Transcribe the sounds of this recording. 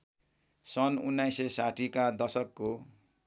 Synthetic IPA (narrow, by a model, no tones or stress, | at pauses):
sʌnunːajsesaʈʰikad̪ʌsʌkːo